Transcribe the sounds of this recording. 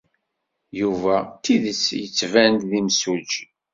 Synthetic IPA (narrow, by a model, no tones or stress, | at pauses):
juvæt̪iðət͡sːjət͡sːvænt̪ðimsud͡ʒi